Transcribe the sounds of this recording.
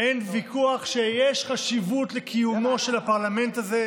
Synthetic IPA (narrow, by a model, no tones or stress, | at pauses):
ʔenvikʰuaχʃejeʃχaʃivutlekʰijumo̞ʃe̞lhapaʁlame̞ntaze